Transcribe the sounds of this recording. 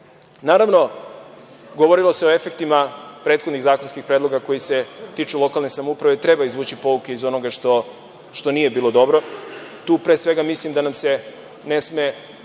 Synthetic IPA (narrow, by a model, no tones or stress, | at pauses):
naːɾaʋno̞ | ɡoʋo̞ɾilˠo̞se̞o̞e̞fe̞kt̪imapɾet̪xod̪niɣzaːkonskixpɾed̪lˠo̞ɡako̞jise̞t̪it͡ʃulˠo̞kalˠnesamoupɾaʋet̪ɾe̞baizʋuːt͡ɕipo̞uke̞izo̞noɡaʃt̪o | ʃt̪o̞nije̞biːlˠo̞d̪o̞bɾo̞t̪uːpɾesʋe̞ɡamislimd̪anamse̞ | ne̞sme̞